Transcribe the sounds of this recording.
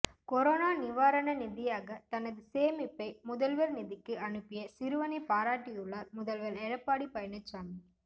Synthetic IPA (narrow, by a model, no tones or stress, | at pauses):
kɔɾoːnaːnɪʋaːɾɐnɐnɪðɪjaːɣɐt̪ɐnɐðɯseːmɪpːɐɪmʊðɐlʋɐlnɪðɪkːɯɐnɯpːɪjɐsɪɾɯʋɐnɐɪpaːɾaːʈːɪjɯɭːaːɾmʊðɐlʋɐlɛɻɐpːaːɽipɐjɐnɐt͡ʃːaːmi